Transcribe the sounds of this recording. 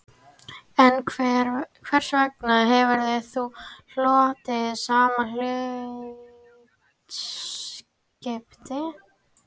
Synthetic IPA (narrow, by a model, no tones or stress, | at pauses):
ɛnʰ | kʰvɛr̥svɛknaðɦɛvʏɾðeθul̥ɔːt̪ɪsaːmalʏ | s | cɛpt̪ɪ